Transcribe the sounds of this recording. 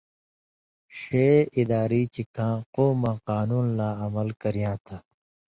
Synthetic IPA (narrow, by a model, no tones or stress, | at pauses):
ɕeːʔid̪aːɾiːt͡ɕikãːqoːmãːqaːnuːnlaːɐmɐlkɐɾijãːt̪ʰa